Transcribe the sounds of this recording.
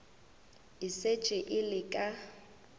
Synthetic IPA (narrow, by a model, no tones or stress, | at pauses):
ɪset͡ʃʼɪʔɪlɪkʼa